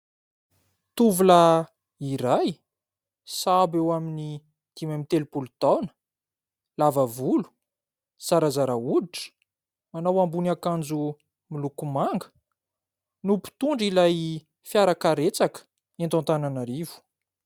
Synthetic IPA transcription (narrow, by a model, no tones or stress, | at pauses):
t̪uvula | iɾaj | sabewamini | d̪̥imamit̪elupulut̪awnə̥ | lavavulu̥ | saɾazaɾauiʈ͡ʂə̥ | manawambunakand͡zu | milukumaŋɡə̥ | nupi̥t̪uɳɖ͡ʐilaj | fjaɾakaɾet͡sakə̥ | ent̪ant̪ananaɾivu̥